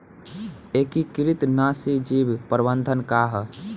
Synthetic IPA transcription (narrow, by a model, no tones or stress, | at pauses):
ekikɾit̪nasid͡ʒibpəɾbə̃nd̪ʱənkaɦ